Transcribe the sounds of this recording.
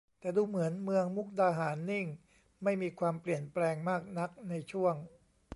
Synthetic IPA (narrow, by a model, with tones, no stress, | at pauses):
t̪ɛː˨˩duː˧mɯ˩˦ənmɯ˧əŋmu˦˥k̚daː˧ɦaː˩˦nːi˥˩ŋ | ma˥˩jmiː˧kʰwaː˧mpli˨˩ənplɛː˧ŋmaː˥˩k̚na˦˥k̚na˧jt͡ɕʰu˥˩əŋ